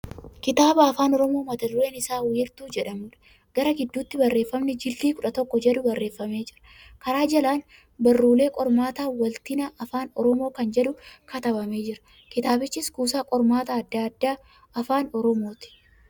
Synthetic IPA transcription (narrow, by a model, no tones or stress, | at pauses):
kɪt̪aːbɐːfaːnɔɾɔmo̞ːmɐt̪ɐd̪ʊɾe̞ːnɪsaːwiːɾt̪uːd͡ʒɛᶑɐmʊᶑɐ̥ | ɡ̥ɐɾɐɡɪd̪ːuːt̪ːɪbɐrːe̞ːfːɐmnɛd͡ʒɪlːiːkʊᶑɐt̪ɔkːɔd͡ʒɛᶑʊbɐrːe̞ːfːɐme̞ːd͡ʒɪɾɐ̥ | kɐɾaːd͡ʒɐlaːn | bɐrːuːle̞ːkʼɔɾmaːt̪aːwɐlt̪ɪnɐʔɐfaːnɔ̰ɾɔmoːkɐnd͡ʒɛᶑʊkʰɐt̪ɐbɐmeːd͡ʒɪɾɐ̥ | kɪt̪aːbɪt͡ʃːɪskuːsaːkʼɔɾmaːt̪aːɐd̪ːaɐd̪ːaː | ɐfaːnɔɾɔmo̞ːt̪ɪ̥